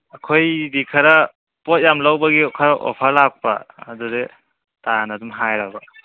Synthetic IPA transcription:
ɐkʰojdikʰɐɾɐ | pot̚jamlawbɐɡikʰɐɾaʔo̰pʰalak̚pɐ̰ːdude | tanɐdumɦajɾabɐ

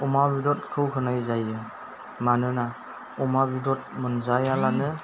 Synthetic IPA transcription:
umabidɔt̚kʰɯwkʰɯnajzajːɯŋ | manɯna | ɔmabidɔt̚munzajalanɯ

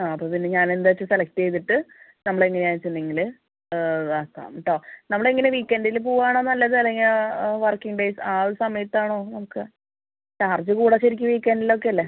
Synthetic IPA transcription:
aːɐpːoːpinːeɲaːnend̪aɐt͡ɕːɨselɐk̚ʈejt̪̬ːiʈːɨnɐmːɐɭeŋːɐneaːnit͡ɕːinːiŋːilɨ | aːt̪a̰ːmɐʈːoːnɐmːɐɭeŋːɐneʋiːkʲːenɖilp̬uːʋaːɳoːnːɐlːɐðɨɐlːeŋɡilʋɐrkiŋɖejsaːoɾusɐmɐjɐt̪ːaːɳo̞ːnɐmukːɨ | kaːrd͡ʑɨkuːɽɐɕɐɾikʲːuʋiːkʲːenɖilːok̬ːe̞ɐlːe

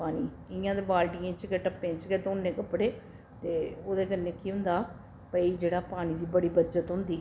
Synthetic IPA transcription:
paːniː | ɪjãːd̪ebaːlʈiːẽːt͡ʃkɛʈəpːẽːt͡ʃkeːd̪oːnːẽːkəpːɽeː | t̪eːoːd̪eːkənːẽːkiːɦʊ̃nd̪aː | pəiːd͡ʒeːɽaːpaːñiːd̪iːbəɽiːbəːt͡ʃət̪ɦʊ̃nd̪iː

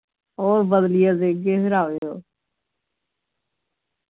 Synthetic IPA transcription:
ɔːɾbəd̪lijazeːɡeːsɾaːʋeoː

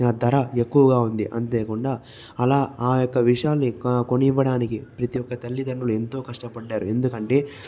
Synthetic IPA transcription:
aːd̪ɐɾɐe̞kːuʋɐɡaːund̪iʔɐnt̪eːkuɳɖaː | ɐlaːaːjokːɐʋiʂjaːlniko̞niʋːɐɽaːnikipɾɐt̪ijɔkːɐt̪ɐlːid̪ɐɳɖulue̞nt̪o̞ːkɐʂʈɐpɐɖːaːɾue̞nd̪ukɐɳʈe̞ː

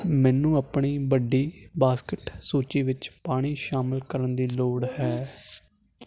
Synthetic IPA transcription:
mɛ̃ːnũːapɳiːbəɖiːbaːskɪʈsuːt͡ʃiːʋɪt͡ʃpaːɽ̃iːʃaːmɪlkəɾənd̪iːloːɽhɛː

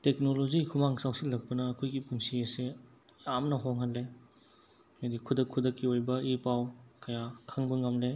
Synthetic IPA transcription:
tek̚nolozikʰumaŋsawsilːɐk̚pɐnɐːkʰojɡipuŋsiɐse | amnɐɦoŋɦanle | nɐdikʰudɐkʰːudɐkːiojbɐipawkɐjakʰaŋbɐŋɐmle

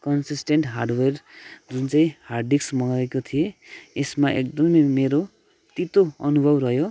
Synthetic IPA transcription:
kʌnsisʈeɳʈɦarɖwerd͡zunt͡saĩharɖiksmʌɡaekot̪ʰijeesmaʔḛk̚d̪ʌmʌjmeɾo | t̪it̪oʌnubʱʌbrʌjo

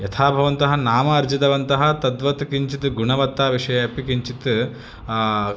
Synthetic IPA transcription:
jɐt̪ʰaːbʱɐʋɐnt̪ɐɦɐnaːmɐːɾd͡ʒit̪ɐʋɐnt̪ɐɦɐ̆t̪ɐd̪ʋɐt̪kiɲt͡ʃit̪ɡuɳɐʋɐt̪ːaːʋiʂɐjɐɐpikiɲt͡ʃit̪

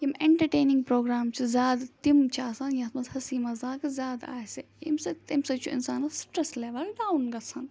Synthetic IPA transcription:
jimeɳʈɐɾʈeːnĩŋɡpɾoːɡɾaːmt͡ʃʰizʲaːd̪t̪imt͡ʃʰaːsɐnjãsmɐzhɐsiːmɐzaːkzʲaːd̪a̰ːse | ḭmsɐt̪imsɐt͡ʃʰuɪ̰nsaːnɐsʈɾɐsleːʋɐlɖaːunɡɐsʰɐn

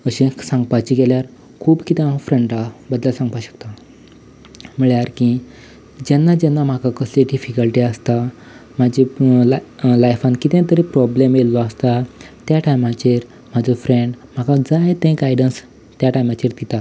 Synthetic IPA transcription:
əɕẽsãŋɡpat͡ɕiɡɛljaɾ | kʰuːbkit̪ẽafɾẽɳɖabəd̪ləsãŋɡpaɕə̥kt̪a | m̤əɭjaɾki | d͡ʑanːad͡ʑɛnːam̤akakəsleɖifikəlʈiəst̪a | m̤ad͡ʑi | lajfãnkit̪ẽt̪əɾipɾɔblemjelːɔəst̪at̪jaʈajmãt͡ɕeɾ | m̤ad͡zɔfɾeɳɖm̤akad͡zajt̪ẽɡajɖəns | t̪jaʈajmat͡ɕeɾd̪it̪a

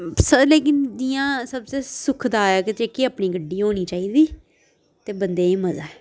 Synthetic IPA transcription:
səleːkɪnd͡ʒijãːsəbseːsʊkʰd̪aːaːkɪteːkeəpɳĩːɡəɖːiːɦoːñiːt͡ʃaːiːd̪iː | t̪eːbənd̪eːĩːməza̰ːɛː

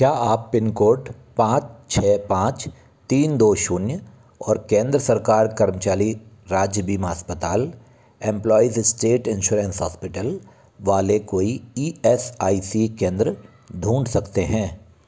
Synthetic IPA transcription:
kjaːaːpːɪnkoːɾʈ | pãːt͡ʃt͡ʃʰɛːpãːt͡ʃ | t̪iːnd̪oːʃuːnjə | ɔːɾkẽːnd̪ɾəsɐɾkaːɾkɐɾmt͡ʃaːliɾaːd͡ʒjəbiːmɦəspət̪aːl | ɛ̃mplɔːizɪsʈeːʈɪ̃nʃuːɾə̃nsɦa̰ːspɪʈəl | ʋaːlekoːiiːɛsaːisikẽːnd̪ɾə | d̪ʱũːɳɖsɐkt̪eɦɛ̃ː

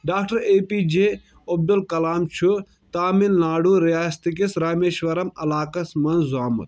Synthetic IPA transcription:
ɖaːkʈɐɾeːpiːd͡ʒeː | ɐb̚d̪ulkɐlaːmt͡ʃʰu | t̪aːminlaːɽuːɾijaːst̪ik̬isɾaːmeːʃʋɐɾɐmɐlaːkɐsmɐnzaːmɐ̰t̪̚

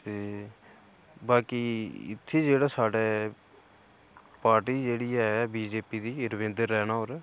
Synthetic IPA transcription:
t̪eː | baːkiːɪ̰t̪ʰːeːd͡ʒeːɽaːsaːɖeː | paːɾʈiːd͡ʒeːɽiːɛbiːd͡ʒeːpiːd̪iːɾəʋẽnd̪əɾːɛːnaːɦoːɾɛː

